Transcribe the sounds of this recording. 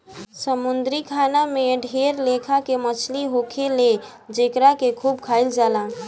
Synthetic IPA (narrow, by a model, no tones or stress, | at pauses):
səmund̪ɾikʰanameɖʱeɾlekʰakemət͡ʃʰliɦokʰele | d͡ʒekɾakekʰuːbkʰaɪld͡ʒalã